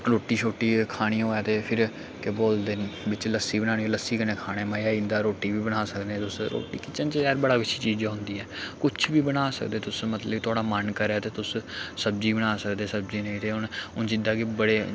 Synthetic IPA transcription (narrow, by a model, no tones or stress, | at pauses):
ɾoːʈiːt͡ʃʰoːʈːiːkʰaːɽ̃iːɦoːaːt̪eːpʰɪɾ | kɪboːld̪enbɪt͡ʃləsːiːbəñaːñiːoləsːiːkənẽːkʰaːɽ̃eːmaːjaːiːnd̪aːɾoːʈːiːʋiːbəɽ̃aːsəkd̪ẽːt̪ʊsɾo̰ːʈḭːkɪt͡ʃənt͡ʃɛːɾbəɽaːkɪt͡ʃʰʃʰiːt͡ʃiːd͡ʒaːɦʊ̃nd̪iːɛːkʊt͡ʃʰʋiːbəɽ̃aːsə̰kd̪eːt̪ʊsmət̪ləbt̪ʊaːɽaːmənkəɾɛːt̪eːt̪ʊssəb̚d͡ʒiːbəɽaːsəkd̪eːsəbd͡ʒiːnẽĩːt̪eːʊnʊnt͡ʃɪd̪aːkɪbəɽeː